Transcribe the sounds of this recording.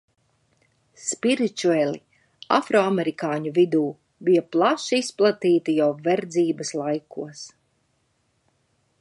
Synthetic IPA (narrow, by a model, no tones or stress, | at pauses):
spiɾit̪uɛlʲˠi | a̰fɾɔamɛɾikaːɲuvid̪uː | bijɐplˠaʃisplˠat̪iːt̪ijawvɛɾd̪ziːbɐslˠajkuɔs